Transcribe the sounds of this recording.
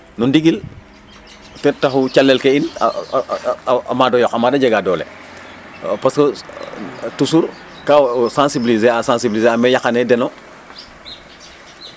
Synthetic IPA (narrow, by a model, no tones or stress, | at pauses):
nundiɡil | tɛtaxut͡ʃalːɛlkein | a̰madɔjɔkamadaɟɛɡadɔlḛ | pasko | tusuɾ | kasãnsibilizeasãnsibilizeamɛjaxanedɛno